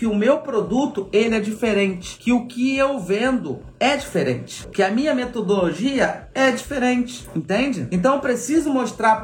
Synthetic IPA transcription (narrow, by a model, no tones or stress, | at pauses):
kɪʊmewpɾod̪ut̪ʊelɪɛd͡ʒifeɾẽnt͡ʃɪ̥kɪʊkɪewvẽnd̪ʊ | ɛd͡ʒifeɾḛ̃nt͡ʃɪ̥kɪɐmĩɲɐmet̪od̪oloʒiɐɛd͡ʒifeɾẽnt͡ʃɪ̥ẽnt̪ẽnd͡ʒɪẽt̪̬ɐ̃w̃pɾesizʊmoʃt̪ɾaɾ